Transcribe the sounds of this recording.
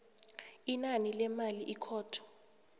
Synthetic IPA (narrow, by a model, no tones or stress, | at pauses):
inanilɛmaliʔikʰɔːtʰɔ̥